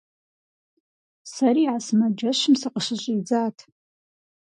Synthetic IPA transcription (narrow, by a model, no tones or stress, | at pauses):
saɾiʕasmad͡ʒaʂʷɨmsaqʼəʂʷɨɕʷʼid͡zaːtʰ